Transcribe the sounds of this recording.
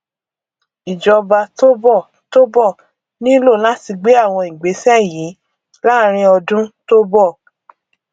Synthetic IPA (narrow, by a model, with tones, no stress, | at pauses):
i˨d͡ʒɔ˧ba˧to˦bɔ˦˨ | to˦bɔ˦˨ | nĩ˦lo˦˨la˦ti˧ɡ͡be˦a˦˨w̃ɔ̃˧i˨ɡ͡be˨˦sɛ˦˨jĩ˨˦ | la˦ɾ̃ĩ˧˦ɔ˧dũ˦to˦bɔ˦˨